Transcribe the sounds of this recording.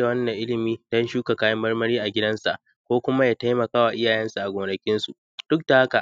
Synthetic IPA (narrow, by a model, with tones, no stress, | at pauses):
a˨wɐ˦nːɐ˨ŋʔɪ˦lɪ˨miː˦tɐ˦nʃuː˦ka˨kaː˦jɐ˦mːɐ˦rmɐ˦ɾiː˦ʔa˨ɡʲɪ˦dɐ˦nsa̰˨ʔ | kʷoː˦kʷʊ˦ma˦jaː˦ta˦jmɐ˨kaː˦wa˨ʔɪ˦jaː˨jɐ˦nsu˨ʔa˨ɡʷʊː˨ɽɐ˨kʲɪ˦nsu˨ʔ | d̥ʊ˦k̚da˨ha˦ka˨